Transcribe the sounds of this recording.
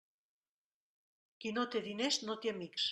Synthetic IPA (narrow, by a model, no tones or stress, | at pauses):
kinot̪eðinesnot̪jamiks